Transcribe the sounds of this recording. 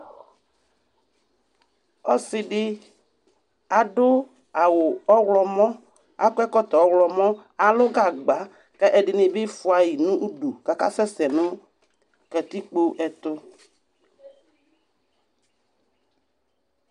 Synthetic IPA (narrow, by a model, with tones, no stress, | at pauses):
ɔ˦sɪ˨ɖɪ˦ | a˨ɖʊ˦ | a˨wʊ˨ɔ˦wlɔ˦mɔ̃˦ | a˦kʊ˦ɛ˦kɔ˦t̪ɔ˨ɔ˦wlɔ˨mɔ̃˦a˨lʊ˦ɡa˨ɡ͡ba˨˦ | kɛ˦ʔɛ˨ɖɪ˨nɪ̃˨bɪ˦fʊ˨˦a˨ji˨nũ˦ʔu˦du˨ka˨ka̰˦sɛ˦sɛ˨nʊ̃˦ | kɛ˨t̪i˦k͡po˦ʔɛ˨t̪ʊ˦